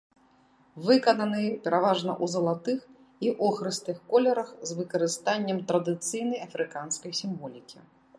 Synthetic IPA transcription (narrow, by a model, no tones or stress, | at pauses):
vɨkɐnɐnɨjpʲɛɾavaʐnɐ̰ʔuzɐlˠat̪ɨx | iʔɔxɾɨst̪ɨxkɔlʲɛɾɐxzvɨkɐɾɨst̪anʲːɛmt̪ɾɐd̪ɨt̪sɨjnɐjɐfɾɨkanskɐjsʲimvɔlʲikʲi